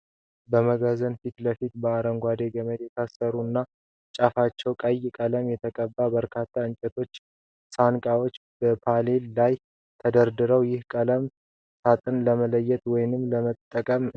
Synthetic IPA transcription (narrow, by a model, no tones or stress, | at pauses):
bəməɡazənfit̪ləfit̪bəaɾəŋɡʷad̪eɡəməd̪jɛt̪ʰasːəɾuɨnːa | t͡ʃʼafat͡ʃːɛwkʼəjːkʼələmjɛt̪ʰəkʼəbːabəɾkʰat̪ʰːaɨnt͡ʃʼɛt̪ʰo̞t͡ʃː | sankʼawo̞t͡ʃːbəpʰale̞lːaj | t̪ʰəd̪əɾd̪ɨɾəwjɪhkʼələm | sat̪ʼɨnləmələjːɛt̪ʼwɔjnɨmːləmət̪ʼːəkʼəm